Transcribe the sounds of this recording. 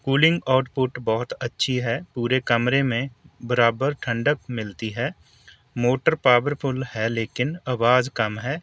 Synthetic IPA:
kuːlɪ̃ŋɡaːʈpʊʈbɔːʊt̪ɐtːʃʰiɦɛːpuːɾekɐmɾemẽbəɾaːbəɾʈʰə̃ɳɖəkmɪlt̪iɦɛː | moːʈəɾpaːʋəɾpʰʊlhɛleːkɪnaʋaːzkɐmɦɛː

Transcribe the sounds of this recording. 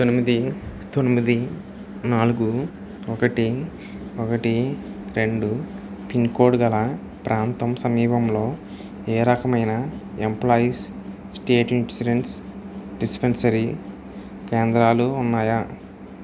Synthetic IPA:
t̪onimid̪it̪onimid̪i | naːluɡu | ɔkɐʈi | ɔkɐʈiɾe̞ɳɖu | piŋkoːɖɡɐlɐ | pɾʔaːnt̪ɐmsɐmiːpɐmlo̞ː | eːɾɐkɐmɐjnɐemplaːjis | sʈeːʈniʈsiɖensɖispensɐɾi | keːnd̪ɾaːluːnːaːja

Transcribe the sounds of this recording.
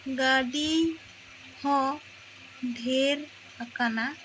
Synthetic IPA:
ɡaɖi | hɔ̃ | ɖʱeɾ | akana

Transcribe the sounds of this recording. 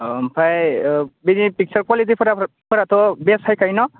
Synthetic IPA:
mpʰajbinipik̚t͡ʃaɹkwalit̬ipʰɔa | pʰɔɾatɔbɛsʰajkʰajnɔ

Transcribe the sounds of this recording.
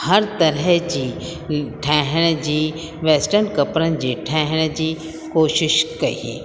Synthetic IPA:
hɐɾt̪ɐɾəɦd͡ʒi | ʈʰɛːɦɽ̃d͡ʒiː | ʋeːsʈəɾnkɐpɾənd͡ʒiʈʰɛːɦɽ̃d͡ʒi | koːʃɪʃkɐɦḭː

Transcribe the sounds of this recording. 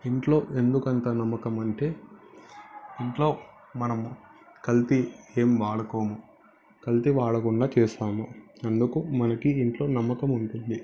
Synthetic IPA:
iɳʈlo̞ːʔe̞nd̪ukɐnt̪aːnɐmːɐkɐmɐɳʈe̞ː | iɳʈlo̞ː | mɐnɐm | kɐlt̪ieːmʋaːɽɐkoːmu | kɐlt̪iʋaːɽɐkuɳɖaːt͡ʃɛːsaːmuɐnd̪ukumɐnɐkiːɳʈlo̞ːnɐmːɐkɐmuɳʈund̪i

